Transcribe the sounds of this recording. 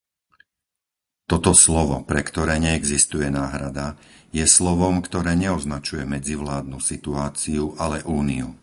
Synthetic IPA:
t̪ɔt̪ɔslɔʋɔpɾɛkt̪ɔɾɛːɲɛɛɡzist̪ujɛnaːɦɾad̪ajɛslɔʋɔmkt̪ɔɾɛːɲɛɔznat͡ʃujɛmɛd͡ziʋlaːd̪̚nusit̪uaːt͡siuʔalɛʔuːniu

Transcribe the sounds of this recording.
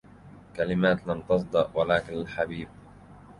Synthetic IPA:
kalɪmaːt̪lamt̪ɑsˤd̪ˤɑʔwalaːkɪnalħabiːb̚

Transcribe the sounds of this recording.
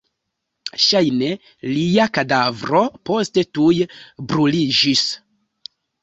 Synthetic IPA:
ʃajne̞ | liakadavɾo̞po̞ste̞tujbɾulid͡ʒis

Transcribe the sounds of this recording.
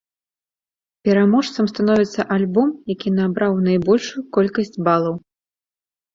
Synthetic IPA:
pʲɛɾamɔʂt̪sɐmst̪anɔvʲit̪sːɐʔalʲbɔmjakʲinabɾawnajbɔlʲʂujukɔlʲkɐsʲt͡sʲbalˠɐw

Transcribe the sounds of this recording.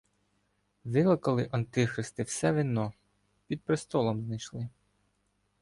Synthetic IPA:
ʋɪlˠɐkɐlˠɪʔɐnt̪ɪxɾɪst̪ɪwsɛʋinːɔ | pʲid̪̚pɾɪst̪ɔlˠɔmznɐjʃlˠɪ

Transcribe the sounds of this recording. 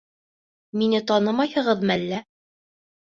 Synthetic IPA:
minɘt̪ɑnɤmɑjhɤ̆ʁɤðmælːæ

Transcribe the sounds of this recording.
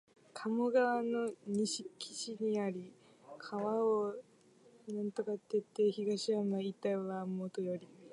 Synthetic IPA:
kʰamoɡaβano̞ɲ̟iɕikʲʰi̥ɕiɲ̟iaɾʲi | kʰaβao | nãnt̪o̞kat̪ːet̪ːe̞çiɡaɕiamait̪aβamot̪ojoɾʲi

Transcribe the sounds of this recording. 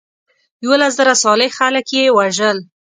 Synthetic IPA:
jawəlas̬zaɾasɑlɪxaləkjewaʒəl

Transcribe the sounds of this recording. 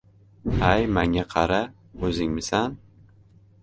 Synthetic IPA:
ajmaŋʲaqʰɑɾa | ɵzɪŋmɪsan

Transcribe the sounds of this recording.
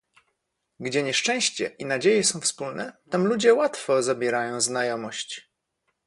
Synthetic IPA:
ɡd͡ʑɛɲɛʂt͡ʂɛ̃w̃ɕt͡ɕɛʔinad͡ʑejɛsɔ̃w̃fspulnɛt̪amlud͡ʑɛwat̪fɔzabʲjɛɾajɔ̃w̃znajɔmɔɕt͡ɕ

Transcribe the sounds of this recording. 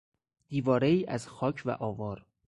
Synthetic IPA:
d̪̥iːvɒːɾeiːʔæzxɒːcʰvæ̰ʔɒːvɒːɾ

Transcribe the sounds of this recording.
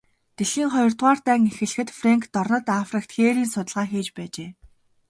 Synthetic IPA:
t̪eɮiːŋχɔjɞ̆rt̪ʁaːrt̪æːŋexɘ̆ɮxɘ̆t̪freŋkt̪ɔrnɞ̆t̪afrĭk̚t̪xeːɾiːnsʊt̪ə̆ɮʁaːxiːt͡ɕpæːt͡ɕeː

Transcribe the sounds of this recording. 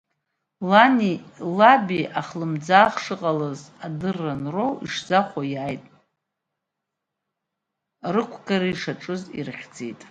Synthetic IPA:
lanilabiaχlɨmd͡zaːχʂɨqʼalɨzadɨrːanrowḭʂzaχʷajaːjtʼ | rɨkʷʰɡaɾaiʂaʈ͡ʂʼɨzḭrχʲd͡zḛjtʼ

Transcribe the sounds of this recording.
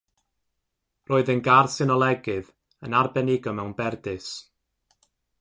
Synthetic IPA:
roːɨðənɡarsɪnɔlˠɛɡɨð | ənarbɛnɪɡɔmɛwnbɛrdɨs

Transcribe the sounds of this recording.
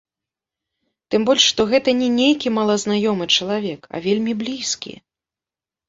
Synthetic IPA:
t̪ɨmbɔlʲʂʂt̪ɔɣɛt̪ɐnʲɛnʲejkʲimɐlˠɐznajɔmɨt͡ʂɐlˠavʲɛkɐ̰vʲelʲmʲiblʲiskʲḭ

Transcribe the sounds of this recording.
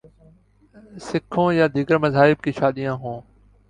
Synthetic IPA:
sɪkʰːõːjaːd̪ʱiːɡəɾməzaːɪb̚kiːʃaːɗ̪ijãːɦõː

